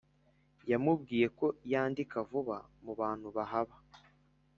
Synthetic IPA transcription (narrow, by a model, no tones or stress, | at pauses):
jamub̚ɡiːje̞ko̞jaːndikavuβa̰muβaːn̥huβaɦaβa